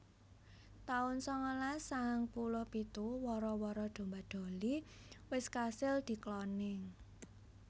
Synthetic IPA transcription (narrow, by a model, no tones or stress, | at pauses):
t̪aʊnsɔŋɔlasaŋpulʊhpit̪uwɔɾɔwɔɾɔd̪̥o̤mbad̪̥o̤liwɪskasɪld̪̥i̤klɔnɪŋ